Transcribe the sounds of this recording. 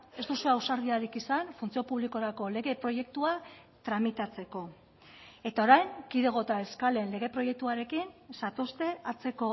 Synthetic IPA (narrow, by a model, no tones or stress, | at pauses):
e̞sd̪useawsaɾðiaɾikisanfunt͡sio̞puβliko̞ɾako̞le̞ɣe̞pɾo̞je̞k̚t̪ua | t̪ɾamit̪at͡se̞ko̞ | e̞t̪ao̞ɾajŋkiðe̞ɣ̞o̞t̪aeskale̞nle̞ɣ̞e̞pɾo̞je̞k̚t̪uaɾe̞kinsat̪o̞st̪e̞at͡se̞ko̞